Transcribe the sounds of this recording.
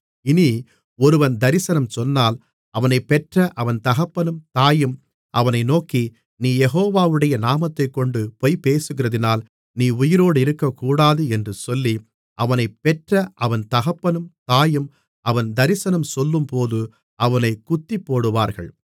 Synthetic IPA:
ɪni | ɔɾɯʋɐnd̪ɐɾɪsɐnɐmsɔnːaːl | ʔɐʋɐnɐɪpːɛʈrɐʔɐʋɐnt̪ɐɣɐpːɐnɯmt̪aːjɯm | ɐʋɐnɐɪnoːki | niːjɛɣoːʋaːʋɯɽɐjɐnaːmɐt̪ːɐɪkːɔɳɖɯpɔjpeːsɯɣɪrɐðɪnaːl | niːʊjɪɾoːɽɯɪɾɯkːɐkːuːɽaːðɯɛndrɯsɔlːi | ʔɐʋɐnɐɪpːɛʈrɐʔɐʋɐnt̪ɐɣɐpːɐnɯmt̪aːjɯm | ʔɐʋɐnd̪ɐɾɪsɐnɐmsɔlːɯmpoːðɯ | ɐʋɐnɐɪkʊt̪ːipːoːɽɯʋaːɾɣɐ̰ɭ

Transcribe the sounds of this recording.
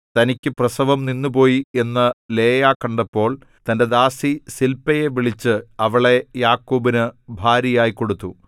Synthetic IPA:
t̪ɐnikʲːɨprɐsɐʋɐmninːup̬o̞ːjie̞nːɐle̞ːjaːkɐɳɖɐpːo̞ːɭ | t̪ɐnde̞d̪aːsisilpːɐje̞ʋiɭit͡ɕːɨɐʋiɭe̞jaːkːuːbinɨbʱaːɾjɐjaːjiko̞ɽut̪ːu

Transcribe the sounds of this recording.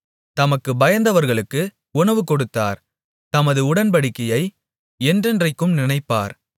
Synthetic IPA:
t̪ɐmɐkːɯbɐjɐnd̪ɐʋɐɾɣɐɭɯkːɯ | ʊɳɐʋɯkɔɽɯt̪ːa̰ːɾ | t̪ɐmɐðɯʊɽɐnpɐɽɪkːɐjɐɪ | ɛndrɯndrɐɪkːɯmnɪnɐɪpːa̰ːɾ

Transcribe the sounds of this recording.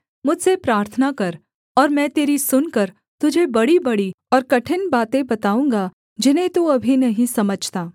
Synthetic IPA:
mʊd͡ʒsepɾaːɾt̪ʰənakɐɾ | ɔːɾmɛ̃ːt̪eːɾisʊnkɐɾ | t̪ʊd͡ʒʱebɐɽibɐɽi | ɔːɾkɐʈʰɪnbaːt̪ẽbɐt̪aːũːŋɡa | d͡ʒɪnɦẽt̪uɐbʱinɐɦĩsɐməd͡ʒʱt̪aː

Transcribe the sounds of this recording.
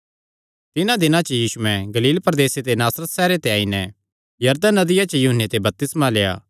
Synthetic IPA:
t̪ɪnãd̪ɪnãt͡ʃɐjiːsuɛ̃ɡɐliːlpɐɾd̪eːset̪enaːsɾət̪sɛːɾet̪eaːinɛ | jɐɾd̪ənɐd̪ɪjat͡ʃɐjʊɦənːet̪ebɐp̚t̪ɪsmaleːa̰ː

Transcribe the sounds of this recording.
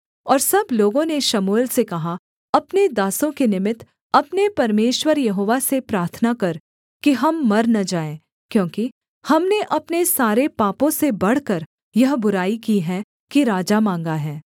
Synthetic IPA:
ɔːɾsɐbloːɡõneʃɐmuːlsekɐɦa | ɐpned̪aːsõkenɪmɪt̪ | ɐpnepɐɾmeːʃwəɾjɐɦoːʋasepɾaːɾt̪ʰnakɐɾ | kiɦɐmːɐɾnɐd͡ʒaːẽː | kjõːki | hɐmneʔɐpnesaːɾepaːpõsebɐɽ̤kɐɾ | jɐɦbʊɾaːikiɦɛ | kiɾaːd͡ʒamãːŋɡaɦɛː

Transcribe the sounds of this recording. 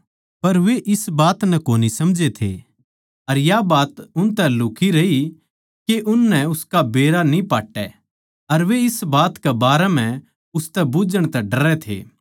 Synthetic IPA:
pɐɾʋeʔɪsbaːt̪nɛkoːnisɐmd͡ʒet̪ʰḛ | ɐɾjabaːt̪ʊnt̪ɛlʊkʰiɾɐi | keʔʊnːɛʊskabeːɾanĩpaːʈːɛ | ɐɾʋeɪsbaːt̪kebaːɾɛm̤ɛ̃ | ʊst̪ɛbʊd͡ʒəɽ̃t̪ɛ̃ɖɐɾɛt̪ʰḛː

